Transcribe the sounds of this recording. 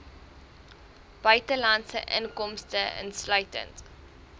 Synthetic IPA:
b̥œɥtəlɐntsə̰ʔə̰ŋkɔmstəə̰nslœɥtə̰nt

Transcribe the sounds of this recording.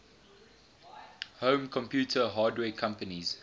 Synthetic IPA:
hõːmkʰɔ̃mpʰjuːtʰəɦɑːdwɛːkʰãmpəniz̥

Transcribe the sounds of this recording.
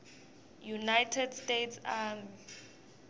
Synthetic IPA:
junajtʰɛdstetʰsam

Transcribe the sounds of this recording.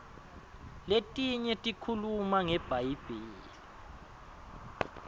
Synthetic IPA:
letʼiɲɛtʼikʰulumaŋɛb̥ʱajib̥ʱeːlli

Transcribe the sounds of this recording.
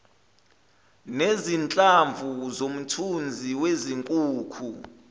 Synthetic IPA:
nezint͡ɬʼaɱvuzom̩tʰund͡zʱiweziŋkʼuːkʰu

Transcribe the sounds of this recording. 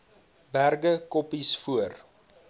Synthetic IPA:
bærɡəkɔpisfuər

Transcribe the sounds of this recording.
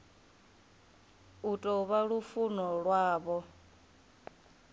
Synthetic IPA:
utʼɔβaɺufunɔɺwaːβɔ

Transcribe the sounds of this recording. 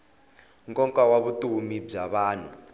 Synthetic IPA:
ŋkʼɔŋkʼawaβutʼumib͡ʐaβaːn̤u

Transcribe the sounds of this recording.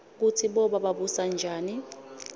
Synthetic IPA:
k̬utʰiɓɔɓaɓaɓusand͡ʒʱaːni

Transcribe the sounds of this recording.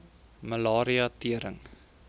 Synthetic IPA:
məlɑːɾiɑtiəɾə̰ŋ

